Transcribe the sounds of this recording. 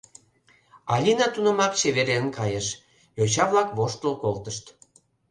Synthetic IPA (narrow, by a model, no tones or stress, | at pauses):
ɑlʲinɑt̪unə̆mɑkt͡ɕeβeɾeənkɑjeʃ | jot͡ɕɑβlɑkβoʃt̪əlkolt̪əʃt̪